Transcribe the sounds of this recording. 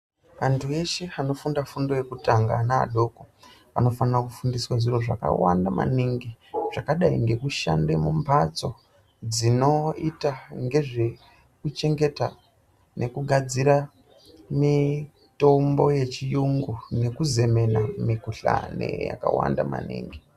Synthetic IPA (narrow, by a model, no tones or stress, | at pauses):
ʋantʰue̞ʃeano̞fundafundo̞je̞kutaŋɡana̰ːɗo̞ko | pano̞fanrakufundiswaʐiro̞ʐa̰ka̰wa̰ndama̰niŋɡiʐ̥akaɗaiŋɡe̞kuʃa̰ndemumpat͡so | d͡zino̞itaŋɡe̞ʐe̞ | kut͡ʃe̞ŋɡe̞ta | nʔe̞kuɡʱad͡ziɾa | mi | to̞mbo̞je̞t͡ʃijuŋɡune̞kuze̞me̞namikuɬa̰nḛja̰ka̰wa̰nda̰ma̰nḭːŋɡi